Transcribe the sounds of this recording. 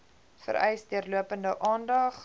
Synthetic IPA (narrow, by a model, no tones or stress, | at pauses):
fə̰ɾɛjsdiərluəpəndəʔɑːndɐχ